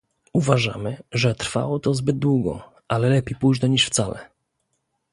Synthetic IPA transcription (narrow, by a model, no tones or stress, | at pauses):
uvaʐa̰mɘʐɛt̪ɾfa̰wɔt̪ɔzbɘd̪̚d̪wuɡɔ̰ | ʔalɛlɛpʲejpujʐnɛɲiʂft̪salɛ̰